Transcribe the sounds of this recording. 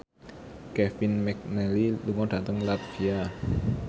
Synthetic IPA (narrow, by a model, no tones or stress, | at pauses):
kɛfinmɛk̚nɛliluŋɔɖ̥ä̤t̪əŋlat̪fia